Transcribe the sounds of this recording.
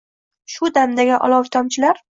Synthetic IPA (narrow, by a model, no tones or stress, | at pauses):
ʃʊd̪amd̪aɡʲaʔɒ̰lˠɒwt̪ʰɒmt͡ʃʰɪlaɾ